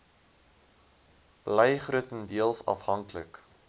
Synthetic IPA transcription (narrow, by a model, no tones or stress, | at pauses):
b̥ləjχruətəndiəlˠsɐ̰fhɐŋklək